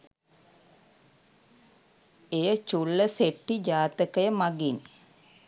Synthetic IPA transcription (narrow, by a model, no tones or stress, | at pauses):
ejət͡ʃulːəseʈːid͡ʒaːt̪əkəjəmaɡin